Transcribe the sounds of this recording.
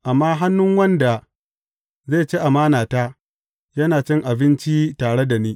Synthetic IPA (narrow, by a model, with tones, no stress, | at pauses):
ʔa˨mːaː˦ɦa˦nːʊ˦ŋwɐ˦nda˨ | zeː˦˨t͡ʃeː˦ʔa˨maː˦naː˨taː˦ | jɐ˦naː˨t͡ʃɪ˦ŋʔa˨bɪ˦nt͡ʃi˦taː˨ɽe˦da˨niː˦